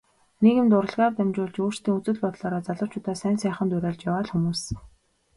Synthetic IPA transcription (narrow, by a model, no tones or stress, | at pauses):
neɣɘ̆mt̪ʊɾə̆ɮʁaːrt̪æmt͡ɕʊːɮt͡ɕoːr̥st̪ʰiːŋut͡sɵ̆ɮpɔt̪ɮɔːɾɔːt͡saɮə̆w̥t͡ɕʰʊːt̪aːsæːnsæːχə̆nt̪ʊɾæːɮt͡ɕjawaːɮxumuːs